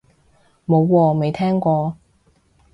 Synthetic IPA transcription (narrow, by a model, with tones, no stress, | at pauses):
mo˨˧wːɔː˧me˨jt̪ʰɛː˥ŋkʷɔː˧